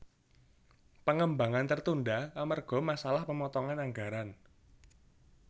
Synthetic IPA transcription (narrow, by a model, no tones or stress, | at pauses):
pəŋəmbaŋant̪ərt̪undaamarɡ̥ɔ̤masalahpəmɔt̪ɔŋanaŋɡa̤ɾan